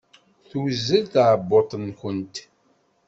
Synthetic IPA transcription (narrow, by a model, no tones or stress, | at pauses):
θuzːəlθʕəbːot̪ˤnçənt̪